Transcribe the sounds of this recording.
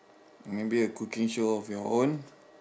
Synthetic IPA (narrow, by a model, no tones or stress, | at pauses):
mẽbiəkukĩŋʃoɔfjɔõn